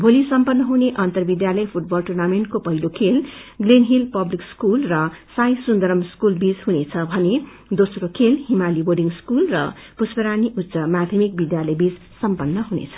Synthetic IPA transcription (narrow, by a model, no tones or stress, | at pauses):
bʱolisʌmpʌnːʌɦuneʔʌnt̪ʌrbid̪jalʌjpʰuʈ̚bʌlʈurnameɳʈ̚kopʌɦilokʰelɡlenɦilpʌblikskulrʌsajsund̪ʌɾʌmskulbid͡zɦunet͡sʰʌbʱʌne | d̪osrokʰelhimaliboɖiŋskulrʌ̰puspʌɾaniʔutːsʌmad̪ʱjʌmik̚bid̪jalʌjbid͡z | sʌmpʌnːʌɦunḛt͡sʰʌ̥